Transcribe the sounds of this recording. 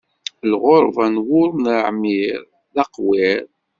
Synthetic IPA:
lʁoɾˤvænwʊɾˤnɾəʕmiɾ | ðɑqwɪɾ

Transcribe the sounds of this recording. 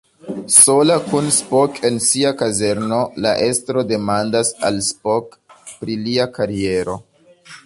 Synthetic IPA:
so̞lakunspokʰe̞nsiakaze̞ɾno̞laʔe̞stɾo̞de̞mandasa̰lspokpɾiliakaɾie̞ɾo̞

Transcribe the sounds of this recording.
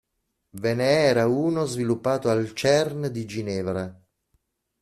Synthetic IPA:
veneɛːɾauːnozvilupːaːt̪oalt͡ʃɛrnd̪id͡ʒinɛːvɾa

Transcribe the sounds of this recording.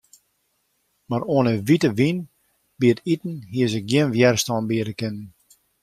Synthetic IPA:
maɾoənəʋitəʋin | b̥iətitn̩ɦiəsɪk̚ɡjɪnʋjɛrstɔnbiəɾəkɪnən

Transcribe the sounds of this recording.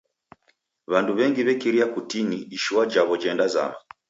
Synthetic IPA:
βanduβɛŋɡiβɛkiɾiakutiniːʃiwad͡ʒaβɔd͡ʒɛndaza̰ma

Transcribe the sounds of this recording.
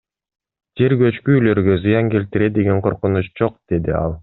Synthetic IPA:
d͡ʒe̞ɾɡøt͡ʃkyːlø̞ɾɡøzɯjɑŋke̞lt̪iɾed̪e̞ɡeɴqʰo̞ɾqunut͡ʃd͡ʒo̞q̚d̪̥e̞d̪iɑ̰lˠ

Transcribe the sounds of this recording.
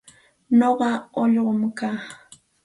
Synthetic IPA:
noɢɑoʎɢomkaː

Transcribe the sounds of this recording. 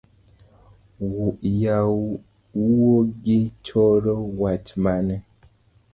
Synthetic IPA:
wuʔja | uwoɡit͡ʃɔɾɔwat͡ʃmanɛ

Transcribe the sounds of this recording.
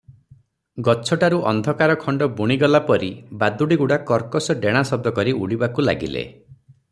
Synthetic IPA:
ɡɔt͡ʃʰɔʈaɾuʔɔ̰nd̪ʱɔkaɾɔkʰɔɳɖɔbuɽ̃iɡɔlapɔɾibad̪uɽiɡuɽakɔɾkɔsɔɖeɽ̃asɔb̚d̪ʱɔkɔɾiuɽibakula̰ɡḭlḛ

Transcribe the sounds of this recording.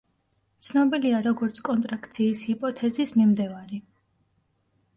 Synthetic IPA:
t̪sʰnɔbiliaɾɔɡɔɾt̪sʰkʼɔnt̪ʼɾakʰt̪sʰiːshipʼɔt̪ʰɛzismimd̪ɛvaɾi

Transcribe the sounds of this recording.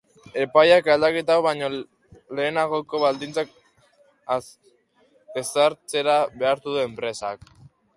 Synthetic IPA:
e̞pajakald̪ake̞t̪̬awβaɲo | le̞ːnaɣoko̞βald̪int͡sak̚ | a | esaɾt͡se̞ɾaβe̞aɾt̪uðuempɾe̞sa̰k

